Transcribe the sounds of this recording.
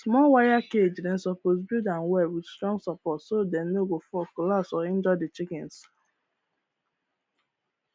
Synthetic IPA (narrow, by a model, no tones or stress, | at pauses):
smɔwajaked͡ʒdɛ̃n̩sɔpos̬budãnwɛwidstɹɔ̃ŋɡsapɔtsodɛnnoɡofɔkɔlasɔĩnd͡ʒɔdɪt͡ʃikɛ̃ns